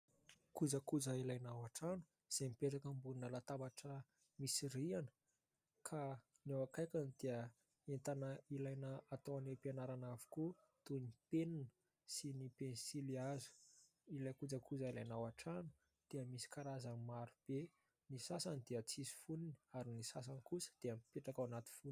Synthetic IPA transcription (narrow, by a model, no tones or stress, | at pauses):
kud͡zəkud͡zəilajnawaʈ͡ʂanu̥ | z̥emipeʈ͡ʂakəmbununəlat̪ambaʈ͡ʂə | misiɾianə̥ | kʰa | newakajkʲanid̪̥iə | ent̪anəilajnəat̪owanepianaɾanavi̥ku | t̪unipeninə | sinipensiliazu̥ | ilajkud͡zakʰud͡zailajnawaʈ͡ʂanu̥ | d̪̥eəmisi̥kaɾazanmaɾub̥e | nisasanid̪eət͡sizi̥funini̥aɾinisas̬ankusə̥d̪̥eəmipeʈ͡ʂakawanat̪i̥funi